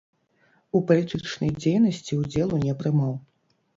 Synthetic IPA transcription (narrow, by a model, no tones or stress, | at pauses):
upɐlʲit̪ɨt͡ʂnɐjd͡zʲejnɐsʲt͡sʲiud͡zʲɛlˠunʲɛpɾɨmaw